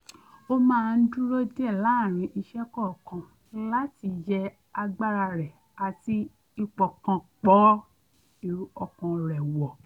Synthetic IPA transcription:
o˦mãː˦˧n̩˦du˦ɾo˦de˦ɛ˦˨la˨˦˨ɾ̃ĩ˧ʔi˧ʃɛ˦kɔ˦˨kã˨ | la˦ti˨˧d͡ʒɛ˧ | a˧ɡ͡ba˦ɾa˧ɾɛ˨ | a˧ti˧ | i˧k͡pɔ˨kã˧k͡pɔ˨˦ | i˨ɔ˧kã˧ɾɛ˨wɔ˨

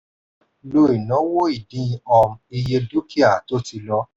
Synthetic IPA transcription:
lo˧˦i˨nɔ̃˨˦wo˦i˨dĩ˦˧ɔ˧mi˧je˧do˦ki˦a˦˨to˦ti˧lɔ˦

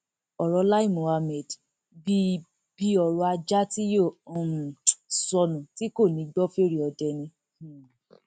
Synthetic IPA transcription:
ɔ˨ɾɔ˧˦la˦i˦˨mo˨a˧mɛ˨d | bi˦ | bi˦ɔ˧ɾɔ˧a˧d͡ʒa˦ti˦jõ˦˨˧ | sɔ˧nũ˨ti˦ko˦˨nĩ˨˦ɡ͡bɔ˦fe˦ɾi˦˨ɔ˧dɛ˧nĩ˧

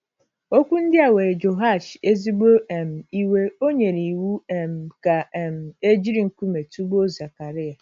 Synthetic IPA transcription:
o˦kʷu˦n̩˦dɪ˦a˨we˨ɾe˨d͡ʒo˨ɦa˦˨ʃe˦zi˦ɡ͡bo˦ɛ˨m̩˨i˦we˦o˦ɲe˨ni˨wu˦ɛ˨m̩˨ka˨m̩˨e˦d͡ʒi˦ɾi˨ŋ̩˨ku˦me˨tu˦bo˦za˨ka˨ɾɪ˦a˨

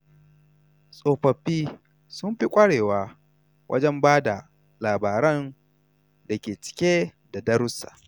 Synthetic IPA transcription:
sʼoː˨ɸɐ˨ɸːiː˦ | sʊ˦mɸi˦kʷʼɐ˦ɽeː˨waː˦ | wʔɐ̰˦d͡ʒɛ˦mbaː˦da˨ | laː˨baː˨ɾɛ˦n | da˨kʲeː˨t͡ʃɪ̥˦kʲeː˦ | da˨dɐ˦ɾʊ˦sa̰˨ʔ

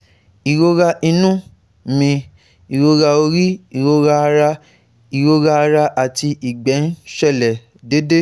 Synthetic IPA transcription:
i˨ɾo˧ɾa˧ʔi˧nũ˦ | mĩ˧ | i˨ɾo˧ɾa˧o˧ɾi˦i˨ɾo˧ɾa˧ɾa˧ | i˨ɾo˧ɾa˧a˧ɾa˧ʔa˨ti˧ʔi˨ɡ͡bɛ˨˦n˦ʃɛ˦˨lɛ˨ | de˦de˦

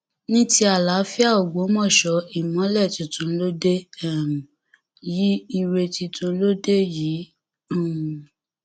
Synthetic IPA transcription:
nĩ˦ti˦a˨la˨˦fi˦a˦˨o˨ɡ͡bo˨˦mɔ̃˦˨ʃɔ˧˦i˦˨mɔ̃˨˦lɛ˦˨tĩ˨tũ˧˦lo˦de˦ɛ˦˨m̩˨ | ji˦i˧ɾe˧ti˧tũ˧˦lo˦de˦jĩː˨˦˨

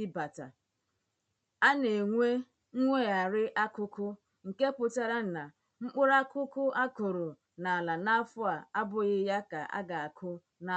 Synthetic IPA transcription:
ba˨ta̰˨ | a˦ne˨ŋʷe˦ | ŋʷe˦˨a˨ɾɪ˦ʔa˦kʊ˦kʊ˦ | ŋ̩˨ke˦pʊ˨ta˦ɾa˦n̩˨na˨ | ŋ͡m̩˦k͡pʊ˦ɾa˦kʊ˦kʊ˦ʔa˦kʊ˨ɾo˨ | na˨a˨la˨na˦fʊ˦a˨a˦bʊ˦ɣɪ˦ja˦ka̰˨ʔa̰˦ɡa˨a˨kʰʊ˦ | na˦

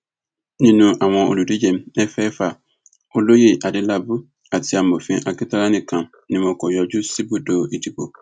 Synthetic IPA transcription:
nɪ̃˦nũ˨ʔa˨wɔ̃˨o̰˨lu˨di˦d͡ʑɛ̃˨mɛ˦fɛː˦fa˨ | o˨lo˦je˨ʔa˨dɪ˦la˦bu˦ | a˨tʰɪ˨a˨m̩˨bo˨fĩ˦ʔa˨kɪ˦tʰa˦a˦nɪ̃˨kʰã˨m | nɪ̃˨mɔ̃˨kʰɔ˨jɔ˨d͡ʒʊ˦si˦bu˨do˨e˨tʰi˨ko˨

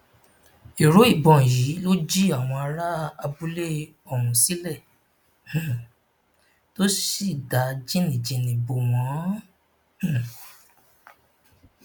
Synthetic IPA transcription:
i˨ɾo˨˦i˦˨bɔ̃˨ji˨˦lo˦d͡ʒi˦a˦˨w̃ɔ̃˧a˧ɾa˦a˧bu˦le˦ | ɔ˦˨mũ˨si˨˦lɛ˦˨ | to˦si˦˨da˨˦d͡ʒi˦nĩ˨d͡ʒi˧nĩ˧bo˧˨w̃ɔ̃˨˦˨

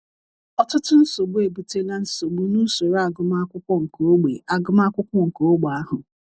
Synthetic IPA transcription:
ɔ˦tʊ˦tʊ˦n̩˦so˨ɡ͡bu˦e˨bu˨te˦la˦n̩˦so˨ɡ͡bu˦nu˦so˨ɾa˨ɡʊ˦ma˦kʷʊ˦kʷɔ˦ŋ̩˨ko˦ɡ͡be˨ʔa˨ɡʊ˦m˦a˦kʷʊ˦kʷɔ˦ŋ̩˨ko˦ɡ͡ba˦ɦʊ˨

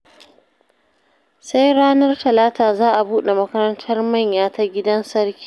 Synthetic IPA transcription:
sa˦jɽaː˦nɐ˦rtɐ˨laː˦taː˨zaː˦ʔa˨buː˦ɗe˨mɐ˦kɐ˦ɾɐ˦ntʰɐ˦rmɐ˦˨ɲjaː˨ta˨ɡʲɪ˦dɐ˦nsɐ˦rkʲi̥ː˦

